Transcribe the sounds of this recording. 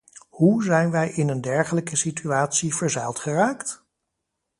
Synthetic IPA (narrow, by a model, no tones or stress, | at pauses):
huzɛjnʋɛjʔɪnəndɛɹχələkəsityaːtsivəɹzɛjlˠtχəraːkt